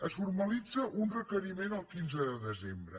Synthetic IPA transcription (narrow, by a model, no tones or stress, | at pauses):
əsfuɾməlid͡zəʔunrəkəɾimenəlˠkinzəðəðəzembɾə̰